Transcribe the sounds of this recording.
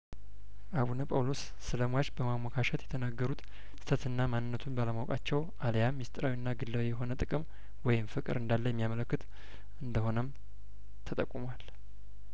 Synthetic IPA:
ʔaβunəpʼawlo̞sːɨləmwat͡ʃbəmamːakʰaʃət̪jɛt̪ʰənaɡːəɾut̪ | sɨ̥t̪ʰət̪ʰɨnːamanːɨnːət̪ʰunbaləmawkʼat͡ʃːɛwʔaljamːist̪ʼɨɾawinːaɡɨlːawijɛɦo̞nət̪ʼɨkʼɨm | wɔjɪmfɨkʼɨ̰ɾɨnd̪alːəjɛmːijamələkːɨt̪ | ʔɨnd̪əho̞nəm | t̪ʰət̪ʼəkʼːumwal

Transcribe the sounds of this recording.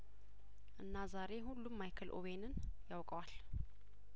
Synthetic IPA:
ʔɨnːazaɾe̞ɦulːumːajkʰɨlʔo̰βenɨnjawkʼəwal

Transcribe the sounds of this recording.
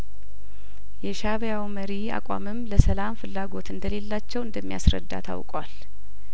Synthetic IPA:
jɛʃaβjawməɾia̰kʼa̰mɨmləsəlamfɨlːaɡo̞t̪ɨnd̪əle̞lːat͡ʃːɛwɨnd̪əmːija̰sɾə̰d̪ːa̰t̪ʰa̰wkʼwal

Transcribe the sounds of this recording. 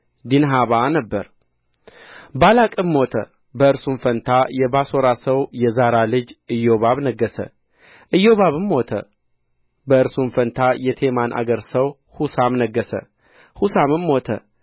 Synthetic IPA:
d̪inɦaβanəbːəɾ | balakʼɨmːot̪ʰə̰ | bəɨɾsunfənt̪ʰajɛbaso̞ɾasəwjɛzaɾalɨd͡ʒɨjːo̞βaβnəɡːəsə̰ | ʔɨjːo̞βaβɨmːo̞t̪ʰə̰ | bəɨɾsunfənt̪ʰajɛt̪ʰe̞manʔa̰ɡəɾsəw | husamnəɡːəsə̰ | husamɨmːo̞t̪ʰə̰

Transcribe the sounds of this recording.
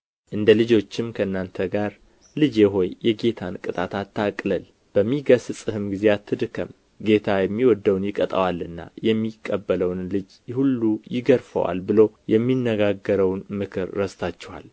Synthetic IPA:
ʔɨnd̪əlɨd͡ʒo̞t͡ʃːɪmkʰəɨnːant̪ʰəɡaɾ | lɨd͡ʒeɦo̞jjɛɡe̞t̪ʰankʼɨt̪ʼat̪ʰat̪ːakʼləl | b̥əmːiɡəssʼɨhɨmɡizeat̪ʰːɨd̪ɨkʰəm | ɡe̞t̪ʰajɛmːiwɔd̪ːəwnjɪkʼət̪ʼə̰walɨnːa̰jɛmːikʼːəbːələwnlɨd͡ʒ | hulːujɪɡəɾfə̰wa̰lbɨləwjɛmːinːəɡaɡəɾəwnmɨkʰɨɾːəst̪ʰat͡ʃːɛwa̰l

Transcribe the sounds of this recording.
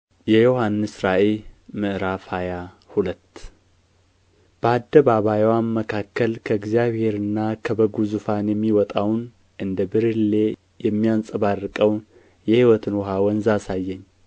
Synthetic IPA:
jɛjohanːɨsɾaʔelmɨʔɨɾafaja | hulət̪ː | b̥əad̪ːəβaβajwanməkʰakːəlkʰəɨɡzjaβhe̞ɾɨnːakʰəbəɡuzufanjɛmːiwɔt̪ʼawn | ʔɨnd̪əbɨɾɨlːe̞ | jɛmːijansʼəβarːɨkʼəwn | jɛhiwɔt̪ʰɨnwɔɦawɔnzasajːɛɲː

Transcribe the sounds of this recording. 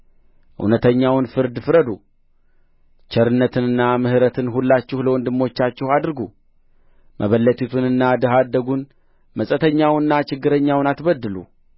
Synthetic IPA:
ʔɨ̰wnət̪ʰəɲːawnfɨɾd̪fɨɾəd̪u | t͡ʃʰəɾɨnːət̪ʰɨnɨnːamɨhɨɾət̪ʰɨnɦulːat͡ʃːɪhləwɔnd̪ɨmːo̞t͡ʃːat͡ʃːɪhad̪ɾɡu | mʔəβəlːət̪ʰit̪ʰunɨnːad̪ɨɦad̪ːəɡun | məsʼət̪ʰəɲːawnːat͡ʃɪɡːɨɾəɲːawnat̪bəd̪ːɨlṵ

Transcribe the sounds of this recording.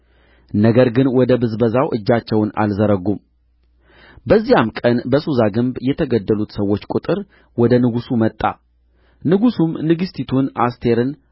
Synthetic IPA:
nəɡəɾɡɨnwɔd̪əbɨzbəzawʔɨd͡ʒːat͡ʃːɛwna̰lzəɾəɡum | bəzːijamkʼənbəsuzaɡɨmbjɛt̪ʰəɡəd̪ːəlut̪səwːo̞t͡ʃːkʼut̪ʼɨɾ | wɔd̪ənɨɡusumət̪ʼːa̰ | nɨɡusumnɨɡɨst̪ʰit̪ʰunast̪ʰe̞ɾɨn

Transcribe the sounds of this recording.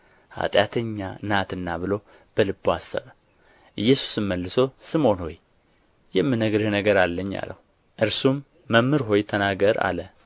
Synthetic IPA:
ha̰t̪ʼjat̪ʰəɲːanat̪ɨnːaβɨlo̞ | b̥əlɨbːoasːə̰βə | ʔɨjːɛsu̥sɨmːəlːɨso̞sɨmo̞nho̞̰j | jɛmːɨnəɡɾɨhnəɡəɾalːəɲːa̰lə̰hu | ʔɨɾsumː | əmːɨɾɦo̞jt̪ʰənaɡəɾa̰lə

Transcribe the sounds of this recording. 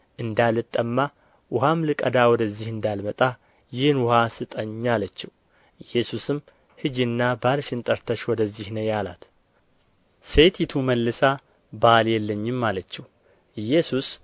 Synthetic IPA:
ʔɨnd̪alɨt̪ʼːəmːa | wʊɦamlɨkʼəd̪awɔd̪əzːihɨnd̪almət̪ʼa | jɪhnwʊhasɨt̪ʼəɲːalət͡ʃːɛw | ɨjːɛsusɨm | hɨd͡ʒɪnːabalʃɪnt̪ʼəɾt̪ʰəʃwɔd̪əzːihnəjala̰t̪ | set̪jɪt̪ʰuməlːɨsa | baljɛlːəɲːɪmːalət͡ʃːɛw | ɨjɛsus

